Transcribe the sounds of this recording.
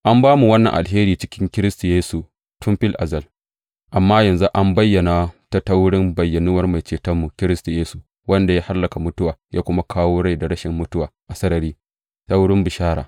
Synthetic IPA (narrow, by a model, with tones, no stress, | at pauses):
ʔa˦mbaː˦mu˨wɐ˦nːɐ̰˨ʔa̰˨lɦeː˦ɾiː˦˨t͡ʃɪ˦kʲɪ˦ŋkʲɪ˦ɾɪ˦stu˨jeː˦su˨ | tʊ˦mɸɪ˦lʔa˨zɐ˨l | ʔa˨mːaː˦jɐ˨nzu˦ʔa˦mbɐ˦jːɐ˨na˨ta˦tɐ˦wɽɪ˦mbɐ˨jːɐ˨nuː˦wɐ˦rma˨jt͡ʃeː˨tɐ˦mːu˨kʲɪ˦ɾɪ˦stu˨jeː˦su˨ | wɐ˦nda˨jaː˦ha˦lːɐ˨ka˨mʊ˦tʊ˦waː˨jʔaː˦kʷʊ˦ma˦kʰaː˦woː˦ɽa˦jda˨ɽɐ˦ʃɪ˨mːʊ˦tʊ˦waː˨ʔa˨sɐ˦ɾɐ˨ɾiː˦ | tɐ˦wʊ˦ɽɪ˦mbɪ˨ʃaː˦ɽa̰ː˨